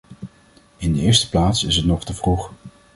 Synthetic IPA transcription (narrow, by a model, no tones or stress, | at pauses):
ɪndəɪːɹstə̥plaːtsɪsɦətnɔχtəvruχ